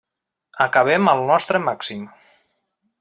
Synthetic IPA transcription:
əkəβ̞ɛməlˠnɔst̪ɾəmaksim

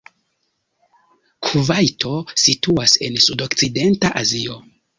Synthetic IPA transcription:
kʰuvajto̞situase̞nsudok̚t͡side̞ntaʔazio̞

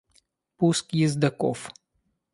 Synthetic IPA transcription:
puskjizd̪ɐkɔ̰f

